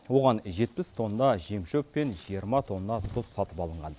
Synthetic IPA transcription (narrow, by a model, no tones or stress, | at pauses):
wo̞ʁɑnʒe̞t̪̚pɪst̪ʰo̞nd̪ɑʒemʃɵpːe̞nʒijəɾmɑt̪ʰo̞nːnɑt̪ʰʊsːɑt̪əpɑlˠəɴʁɑn